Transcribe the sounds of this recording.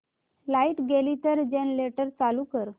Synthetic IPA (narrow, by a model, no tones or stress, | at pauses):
laiʈɡelit̪əɾd͡ʑenleʈəɾt͡salukəɾ